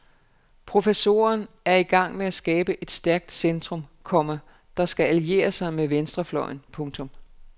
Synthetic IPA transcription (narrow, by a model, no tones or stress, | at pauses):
pʰʁo̝feso̝̰ːɐn | æɐiɡ̥ɑ̈ŋ̰meæsɡ̥ɛːb̥əʔe̝d̥sd̥æɐɡ̥̚d̥send̥ʁɔ̽mkʰɒ̽mɐ | d̥ɑ̈sɡ̥æælie̝̰ːɐsɑ̈ɪmeʋensd̥ʁɐflɒɪnpʰɔ̽ŋt͡sʰɔ̽m